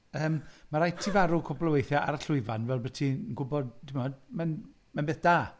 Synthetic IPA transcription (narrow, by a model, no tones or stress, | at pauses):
əːmmaɾajtʰivaɾukʰɔblˠəwejθjaʔaɾəɬʊɨvanvɛlˠbətʰinɡʊbɔdd̥ɪmɔdmɛn | manbeːθd̥aː